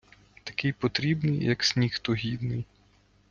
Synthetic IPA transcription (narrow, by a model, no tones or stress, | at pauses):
t̪ɐkɪjpɔt̪ɾʲibnɪjːɐksʲnʲixt̪ɔɦʲid̪nɪj